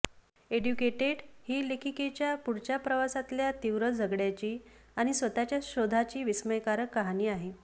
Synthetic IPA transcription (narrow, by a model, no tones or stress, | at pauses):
eɖjukeʈeɽhiːlekʰiket͡ɕjapuɽt͡ɕapɾəʋasat̪ljat̪iʋɾəd͡zʱəɡɽjat͡ɕiː | aɽ̃isʋət̪at͡ɕjaɕod̪ʱat͡ɕiːʋisməjkaɾəkːaɦaniːaɦe